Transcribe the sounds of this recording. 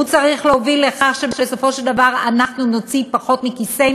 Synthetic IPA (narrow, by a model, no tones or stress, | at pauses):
ut͡saʁiχleovilːeχaχʃebʃeso̞fo̞ʃeld̪avaʁanaχnuno̞t͡sipaχo̞t̪mikise